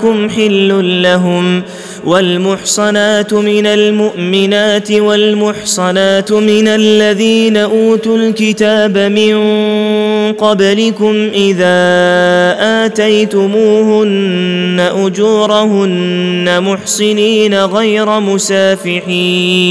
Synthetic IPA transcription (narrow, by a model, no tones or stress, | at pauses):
kʊmħɪlːʊnlaɦʊm | walmʊħsˤɑnaːt̪mɪnalmʊʔmɪnaːt̪ɪwalmʊħsˤɑnaːt̪mɪnalːaðiːnaʔuːt̪ʊlkɪt̪aːbamɪn | qɑblɪkʊmʔɪðaː | ʔaːt̪ajt̪ʊmuːhʊnːaʔʊd͡ʒuːɾˤahʊnːamʊħsˤɪniːnaɣajɾˤamʊsaːfɪʕiː